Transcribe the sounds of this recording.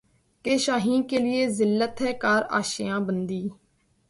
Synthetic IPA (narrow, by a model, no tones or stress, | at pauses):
keːʃaːɦĩːnkeːlɪeːzɪlːət̪ɦɛːkaːɾa̰ːʃɪ̰jãːbənd̪iː